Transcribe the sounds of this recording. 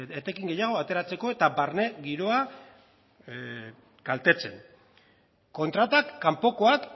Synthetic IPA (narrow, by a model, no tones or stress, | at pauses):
et̪e̞kiŋɡejaɣ̞o̞at̪e̞ɾat͡se̞ko̞e̞t̪abaɾne̞ɣiɾo̞a | kalt̪e̞t͡se̞̰n | ko̞nt̪ɾat̪akːampo̞ko̞ak